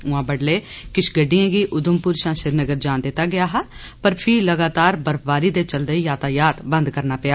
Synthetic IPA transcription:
ʊãːbəɽleːkɪt͡ʃɡəɖːijãːɡiːʔʊd̪ʊmpʊɾʃãːʃɪɾnəɡəɾd͡ʒãːnd̪ɪt̪ːaːɡɪjaːɦaː | pəɾpʰɪːləɡaːt̪aːɾbəɾpʰbaːɾiːd̪eːt͡ʃəld̪eːijaːt̪aːjaːt̪bə̃nd̪kəɾnaːpɪjaː

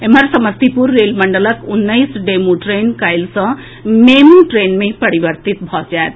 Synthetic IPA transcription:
eməɾsəməst̪ipuɾːelməɳɖələkunːəɪsɖemuʈɾenkajlsʌ̃ | memuʈɾenmepəɾibəɾt̪it̪bʱɔd͡ʒaet̪

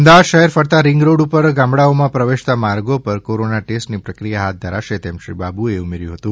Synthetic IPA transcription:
md̪aʋad̪ʃəɦɛɾfəɽt̪aɾɪŋɡɾoɽupəɾɡãmbɽaomãpɾəʋeʃt̪amaɾɡopəɾkoɾonaʈesʈnipɾəkɾijaɦat̪̚d̪ʱəɾaʃet̪emʃɾḭbabueumeɾjũɦət̪ũ

